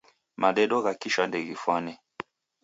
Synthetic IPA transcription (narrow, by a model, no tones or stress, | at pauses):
maɗɛɗɔɣakiʃandɛɣifwanɛ